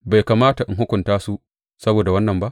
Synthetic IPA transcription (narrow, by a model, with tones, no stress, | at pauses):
ba˨jkaː˨maː˦ta˨ʔɪ˨ŋɦʊ˦kʷʊ˨ntaː˦su˦ | sɐ˦boː˨da˨wɐ˦nːɐ˨mba˦ʔ